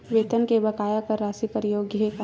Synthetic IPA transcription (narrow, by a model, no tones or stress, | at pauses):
ʋeːt̪ənkebɐkaːjakəɾːaːsikɐɾjoːɡɦek